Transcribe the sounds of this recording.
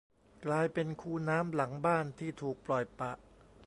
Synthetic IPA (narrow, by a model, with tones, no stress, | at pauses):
klaː˧jpe˧nkʰuː˥˩naː˦˥mla˩˦ŋbaː˥˩nt̪ʰiː˥˩t̪ʰuː˨˩k̚plɔ˨˩jpa˨˩ʔ